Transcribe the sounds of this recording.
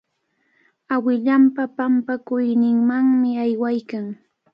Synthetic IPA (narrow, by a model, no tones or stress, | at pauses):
awɪʎampapampakʊjnɪŋmaŋmɪajwajkaŋ